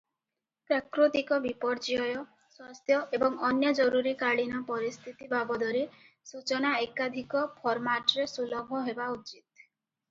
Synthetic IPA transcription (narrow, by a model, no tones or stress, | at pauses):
pɾakɾut̪ikɔbipɔɾd͡ʒiɔjɔ | swast̪ʰjɔʔebɔŋɔnjɔd͡ʒɔɾuɾikaɽinɔpɔɾist̪ʰit̪ibabɔd̪ɔɾe | sut͡ʃɔnaekad̪ʱikɔpʰɔɾmaʈɔɾesulɔbʱɔɦebaut͡ʃit̪̚